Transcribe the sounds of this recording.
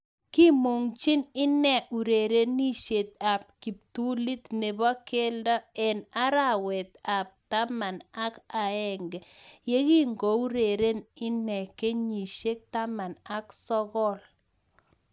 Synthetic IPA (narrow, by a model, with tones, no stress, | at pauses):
ki˦mo˨ŋt͡ʃi˦nɪ˦nɛ˦˨u˨ɾe˨ɾe˦ni˦ʃe˨t̪̚a˨p̚ki˨p̚tu˦li˦t̪ne˨ba˦ke˦ldɔ˦ɛ˨na˦ɾa˨wɛ˨t̪̚a˨p̚ta˦ma˨na˦ka˨ɛ˦ŋɡɛ˨je˦ɣi˦ŋɡo˨˦u˦ɾe˨ɾe˦nɪ˦nɛ˨ke˦ɲi˨ʃe˦k̚t̪a˦ma˨na˦ksɔ˦ɣɔ˦l